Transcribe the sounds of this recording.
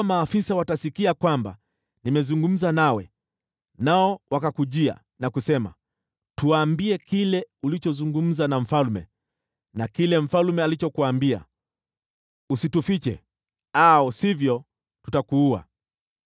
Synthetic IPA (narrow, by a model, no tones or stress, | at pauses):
maːfisawatasikiakwamba̰ | nimɛzuŋɡum̩zanawɛ | naɔwakakuʄia̰ | nakusɛma̰ | tuwaːmbiɛkilɛulit͡ʃɔzuŋɡum̩zanaɱ̩falmɛ | nakilɛm̩falmɛalit͡ʃɔkuwaːmbia̰ | usitufit͡ʃɛ̰ | aɔsivjɔ | tu̥takuua̰